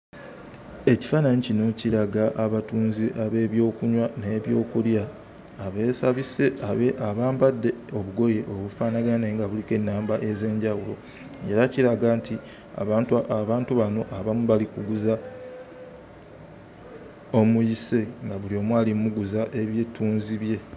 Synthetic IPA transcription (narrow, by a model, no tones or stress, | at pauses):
e̞ci̥fanaɲicino̞ciɾaɡaʔaβatuːnziʔaβe̞ːβjo̞ːkuɲwane̞ːβjo̞ːkuljaː | βe̞ːsaβise̞aβeʔaβaːmbadːe̞o̞βuɡo̞je̞ʔoβufaːnaɡane̞ːŋɡaβulike̞nːaːmbaʔe̞ze̞ːɲɟawulo̞̰ | e̞ɾaciɾaɡaːntʰi | a̰βaːtaβaːntuβano̞ʔaβamuβalikuɡuza | o̞mujise̞ŋɡaβulio̞mwaːlimuɡuzaʔe̞βjetuːnziβje̞